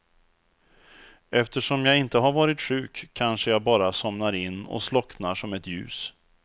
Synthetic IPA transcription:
ʔɛft̪əʂɔmjaːɪnt̪əɦaɾvɑːɾɪt̪ɧʉ̟ːkʰːanʂəjaɡbɑːɾasɔmnaɾɪnːɔ̰slɔknaʂɔmɛt̪jʉ̟̰ːs

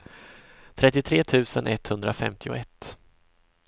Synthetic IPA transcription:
t̪ʰɾɛt̪ːɪt̪ʰɾeːt̪ʰʉ̟ːsənʔɛt̪hɵnd̪ɾafɛ̰mt̪ʰɪʊ̰ɛt̪ː

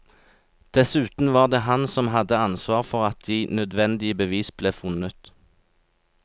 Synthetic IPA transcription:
d̪̥ɛsʉːt̪n̩ʋɑːʁd̪eːɦɑnsɔmɦɑd̪əɑnsʋɑːʁfɔʁɑt̪̚d̪iːnœd̪ʋɛnd̪ɪəbəʋiːsb̥leːfʊnət̪

